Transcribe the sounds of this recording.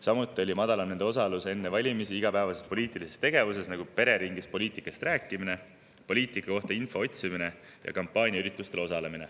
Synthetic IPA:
sɑmut̪ːˑio̞lʲimɑd̪̥ɑlɑmned̪eo̞sɑluse̞nːevɑlʲimisiiɡ̥ɑpæːvɑse̞st̪̚po̞lʲiːt̪ˑilise̞st̪e̞ɡ̥e̞vus̬e̞snɑɡ̥upe̞ɾe̞ɾiŋɡispo̞lʲiːt̪ˑikːˑɑst̪ræːkːˑimine̞ | po̞lʲiːt̪ikːˑɑko̞ht̪ɑinfo̞o̞t̪ʲsimine̞ | jɑ̰kɑmpːˑɑːnʲiɑyɾit̪ːˑust̪e̞lo̞sɑle̞mine̞̰

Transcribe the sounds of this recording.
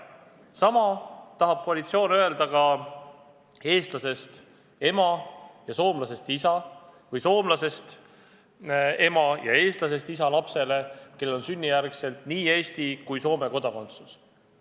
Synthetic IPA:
sɑmɑt̪ɑɦɑb̥̚ko̞ɑlit̪sio̞ːnøe̞ld̪ɑɡɑ | e̞ːst̪lɑse̞st̪ | e̞mɑjɑso̞ːmlɑse̞st̪isɑvɯjso̞ːmlɑse̞st̪ | e̞mɑjɑ̰e̞ːst̪lɑs̬e̞st̪isɑlɑpse̞le̞ke̞le̞lo̞nsynʲːijærkse̞lt̪niːe̞ːsʲt̪ikujso̞ːme̞ko̞d̪̥ɑko̞nt̪su̥s

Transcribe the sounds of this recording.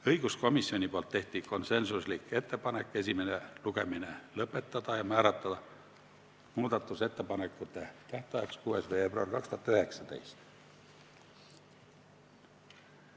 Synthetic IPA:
ɤjɡ̥usko̞misːio̞nʲipolt̪ːe̞ht̪iko̞nse̞nsuslike̞t̪ːe̞pɑne̞kːˑe̞sʲime̞neluɡe̞mine̞lɤpːˑe̞t̪ːˑɑd̪̥ɑjɑmæːɾɑt̪ːˑɑd̪ɑ | muːd̪̥ɑt̪ːˑuse̞t̪ːe̞pɑnekːˑut̪ːˑet̪æht̪eɑjeɑkskuːesvejeːb̥roɑ̰rkɑkst̪uɑt̪yɦe̞ksɑd̪ḛjst̪

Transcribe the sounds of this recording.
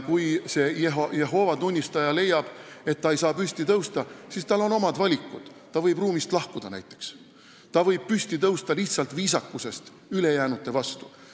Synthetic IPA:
kujse̞ːjeɦoje̞ɦo̞ːvɑt̪unʲːist̪ɑjɑle̞jːɑb̥e̞t̪ːɑejsɑːpysʲt̪it̪ɤwst̪ɑsist̪ɑlo̞no̞mɑd̪vɑlʲikːˑud̪̥ːɑvɤjb̥ruːmist̪lɑhkud̪ɑnæ̰jt̪ːˑe̞̥ks | t̪ɑvɤjb̥̚pysʲt̪it̪ɤwst̪ɑliht̪sɑlt̪viːsɑkːˑuse̞st̪ | yle̞jæːnut̪ːˑe̞vɑst̪u̥

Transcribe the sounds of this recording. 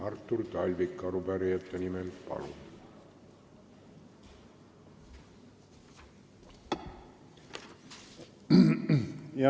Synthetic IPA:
ɑrt̪ːurt̪ɑlʲvikːɑɾupæɾiɑt̪ːenimelpɑ̰lṵ | jɑ

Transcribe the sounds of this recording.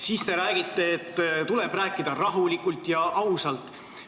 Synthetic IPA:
siːst̪e̞ɾæːɡit̪ˑːe̞ːt̪ːt̪uleb̥ræːkːˑid̪ɑrɑɦulikːˑult̪jɑʔɑwsɑlt̪ˑ

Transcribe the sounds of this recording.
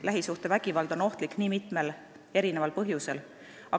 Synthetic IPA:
læɦisuht̪e̞væɡ̥ivɑld̪̥o̞no̞ht̪likːniːmit̪ˑme̞l | e̞ɾine̞vɑlpɤɦjuse̞l | ɑ

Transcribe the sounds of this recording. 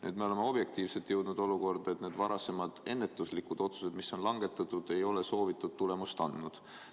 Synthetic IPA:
ny̰ːd̪me̞o̞le̞meo̞b̥je̞k̚t̪iːvse̞lt̪ːjəwd̪̥nud̪̥o̞luko̞rd̪̥ɑe̞t̪ned̪vɑɾɑse̞mɑd̪̥e̞nːe̞t̪ːˑuslikud̪̥o̞t̪su̥se̞d̪̥misːo̞nlɑŋɡ̥e̞t̪ːˑɑt̪ːˑud̪̥e̞jo̞leso̞ːvit̪ːˑud̪̥̚t̪ːule̞must̪ɑnd̪̥nud̪̥

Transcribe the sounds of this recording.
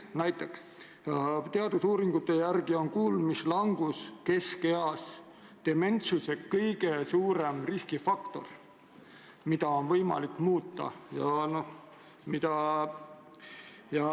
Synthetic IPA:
næjt̪ːˑeks | t̪e̞ɑd̪̥usuːɾiŋɡ̥ut̪ːe̞jærɡ̥io̞nkuːlmislɑŋɡ̥uske̞ske̞ɑs | d̪̥e̞me̞nt̪suse̞kːɤjɡ̥e̞suːɾe̞mriskifɑkt̪o̞̰r | mid̪̥ɑo̞nvɤjmɑ̰likːˑmuːt̪ːˑɑ̰jɑnoh | mid̪̥ɑ | jɑ

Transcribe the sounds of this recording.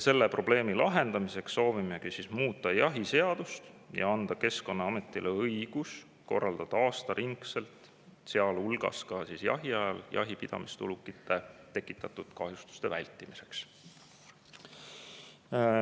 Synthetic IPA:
se̞lːepro̞b̥le̞ːmilɑɦe̞nd̪̥ɑmise̞ksːo̞ːvimeɡ̥isismuːt̪ːˑɑjɑɦise̞ɑd̪̥ust̪jʔɑ̰ɑnd̪̥ɑke̞sko̞nːɑɑme̞t̪ːˑilʔeɤjɡ̥us | ko̞̰rːɑld̪̥ɑd̪̥ɑɑːst̪ɑɾʔiŋkse̞lt̪ˑ | seɑlulɡ̥ɑ̰skɑsisjɑ̰ɦiɑjɑljʔɑ̰ɦipid̪̥ɑ̰mist̪ṵlukːˑit̪ːˑe̞t̪e̞kːˑit̪ˑːɑt̪ːˑud̪̥kɑɦjust̪u̥st̪e̞vælʲt̪ːˑimise̞̥ks

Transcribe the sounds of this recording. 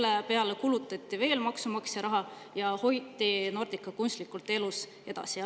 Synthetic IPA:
lːepe̞ɑlekulut̪ːˑɑt̪ʲˑːive̞ːlmɑksumɑkseɾɑɦɑ | jɑho̞jt̪ːˑino̞rd̪̥ikːˑɑkunst̪likːˑult̪ːˑe̞lus | e̞d̪̥ɑ̰si

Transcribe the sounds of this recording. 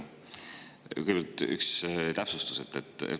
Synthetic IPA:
kɯjbɑlt̪ˑy̰kst̪æpsust̪u̥se̞t̪ːet̪ːˑḛt̪

